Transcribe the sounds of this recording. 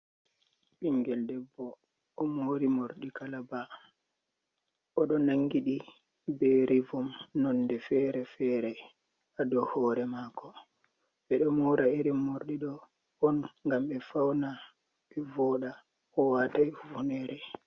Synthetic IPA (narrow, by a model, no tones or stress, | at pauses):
ɓiŋɡɛldɛbːɔː | moɾimoɾɗikalaba | ʔɔɗɔnaŋɡiɗi | bɛɾivɔmnɔndɛfɛːɾɛfɛːɾɛ | adɔhɔːɾɛmaːkɔ | ɓɛɗɔmoɾaɛɾɛmːoɾɗiɗɔ | ɔnŋɡamɓɛfawna | ɓɛvɔːɗa | ʔɔwatajhuvunɛɾɛ